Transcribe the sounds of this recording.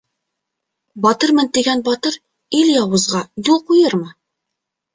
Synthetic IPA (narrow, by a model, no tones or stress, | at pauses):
bɒt̪ɤɾmɤnt̪iɡænbɒt̪ɤɾ | iljɒwɤ̆zʁɑjulˠqujɤɾmɤ